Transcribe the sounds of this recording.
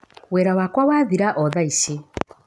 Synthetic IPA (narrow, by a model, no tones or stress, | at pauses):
wɛɾawakwawaːðiɾaʔɔðaisi